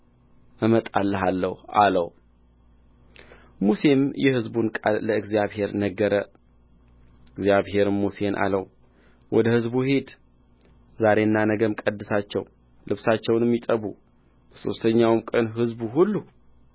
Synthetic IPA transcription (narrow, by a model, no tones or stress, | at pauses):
əmət̪ʼalːəɦalːəhʔaləw | muse̞mjɛhɨzbunkʼa̰lːəɨɡzijaβhe̞ɾnəɡːəɾə | ɨɡzijaβɦe̞ɾmuse̞nʔa̰ləw | wʔɔd̪əhɨzbuhe̞d̪ | zaɾe̞ɨnːanəɡəmkʼəd̪ːɨsat͡ʃːɛ̰w | lɨβsat͡ʃːɛwnɛmːit̪ʼəβu | b̥əso̞̰st̪ʰəɲːawmkʼənɦɨzbuɦulːu